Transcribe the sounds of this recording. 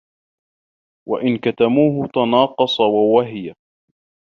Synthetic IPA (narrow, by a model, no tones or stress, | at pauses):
waʔɪnkat̪amuːɦʊt̪ɑnɑːqɑsˤɑwawaɦɪja